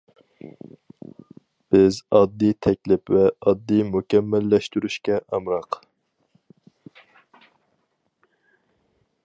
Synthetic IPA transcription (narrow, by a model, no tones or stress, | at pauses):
b̥ɪzɑd̪ːijt̪ʰɛkʲlɪpvɛɑd̪ːijmukʲɛmːɛlːɛʃt̪yɾyʃkʲɛʔɑmɾɑq